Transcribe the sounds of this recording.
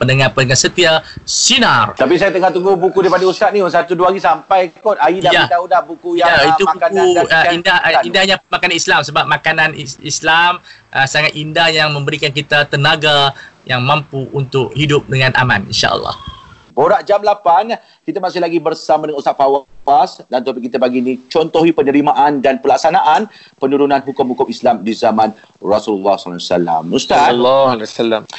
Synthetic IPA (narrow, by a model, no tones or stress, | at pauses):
pənəŋapəndəŋansət̪iasinart̪ap̬is̬ajat̪əŋaht̪uŋɡuhbukudaipadaust̪at̪̚ninsat̪uduaɡisampajkɔt̪aidajat̪audahbukujajait̪umaukanindahindahɲamakananislamsəbap̚makananiḭslamʔəsaŋat̪̚indahɲajaŋmə̃mbəɾikankit̪at̪ənaɡajaŋmãmpuʔunt̪ʊk̚hidʊp̚dəŋãnʔa̰mãnḭnʃa̰ʔə̰lˠːɑ̰h | boɾaʔd͡ʒamlapan | kit̪amasɪhlaɡibərsamadəŋãnust̪aʔ̚fawasdant̪ət̪ap̬ikit̪abaɡinit͡ʃɔnt̪oɦipənəɾimaʔandanpəlak̚sanaʔan | pənuɾunãnɦukʊmhukʊmislamdizamãn | rɔsululːahsɔlasala̰must̪at̪lːlsalːam